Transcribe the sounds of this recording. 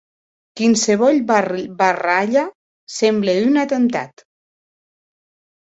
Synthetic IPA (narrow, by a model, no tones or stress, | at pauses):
kinseβɔlbaraʎa | sembleynat̪ənt̪a̰t̪